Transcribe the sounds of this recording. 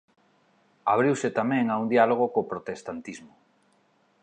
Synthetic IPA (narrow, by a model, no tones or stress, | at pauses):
aβ̞ɾiwset̪amɛ̃ŋaund̪ialoɣ̞okoːpɾot̪est̪ant̪izmo